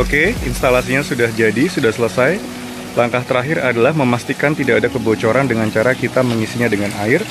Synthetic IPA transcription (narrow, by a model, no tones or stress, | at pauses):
okeinst̪alasiɲasudahd͡ʒadisudahsələsaj | laŋkaht̪əɾaɦɪɾadalahməmast̪ikant̪idaːdakəbot͡ʃoɾandəŋant͡ʃaɾakit̪aməŋisiɲadəŋanaɪr